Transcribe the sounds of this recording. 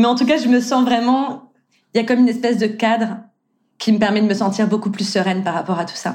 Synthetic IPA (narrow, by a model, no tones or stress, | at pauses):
mɛɑ̃t̪uk̬aʒəməsɑ̃vʁɛmɑ̃ | iljakɔmynɛspɛsd̪əkad̪ʁə | kʲʰiməpɛʁmɛd̪əməsɑ̃t̪iʁbokuplysəʁɛnpaʁapɔʁat̪u̥sa